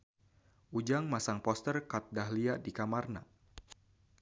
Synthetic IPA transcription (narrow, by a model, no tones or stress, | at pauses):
ʔud͡ʒaŋmasaŋpɔst̪ərkat̪̚daɦliadikamarna